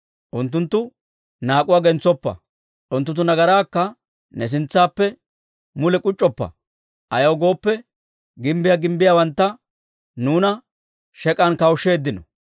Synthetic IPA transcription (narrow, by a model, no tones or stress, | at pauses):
ʔʊnt̪ːʊnt̪ːʊ | naːkʼʊwaːɡɛnt͡sːɔpːɐ̰ | ʔʊnt̪ːʊt̪̬ːʊnɐɡɐɾaːkːɐ | nɛs̬ɪnt͡sːaːpːɛ | mʊlɛkʼʊt͡ʃʼːɔpːɐ̰ | ʔɐjɐwɡo̞ːpːɛ | ɡɪmbɪjaɡɪmbɪjawɐnt̪ːɐ | nuːnɐ | ʃɛkʼɐnkɐwʊʃːe̞ːd̪ːɪnɔ